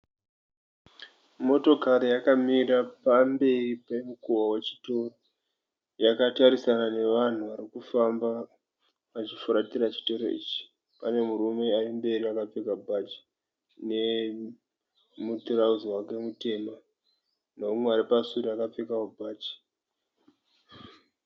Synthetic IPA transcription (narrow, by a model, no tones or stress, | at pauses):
mo̞to̞kaɾijakamiɾapambe̞ripemukuwawe̞t͡ʃi̥to̞ro | jakataɾisanane̞ʋan̤uʋaɾikufamba | ʋat͡ʃifuɾatiɾat͡ʃi̥to̞ɾo̞̰ḭːt͡ʃi̥ | pane̞muɾume̞arimbe̞ɾiakap͡fekabʱat͡ʃi̥ | ne̞ | mutirauzwake̞mute̞ːma | noumweaɾipasuɾiakap͡fekakubʱaːt͡ʃi̥